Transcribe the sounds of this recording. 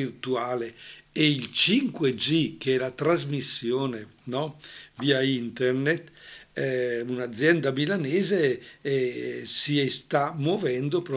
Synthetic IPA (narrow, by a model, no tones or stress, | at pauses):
irt̪uaːleeilt͡ʃiŋkwed͡ʒikɛlat̪ɾazmisːjoːnenɔviːaint̪ernet̪ | unad̪zːjɛnd̪amilaneːzeɛsiɛst̪amovɛnd̪opɾɔ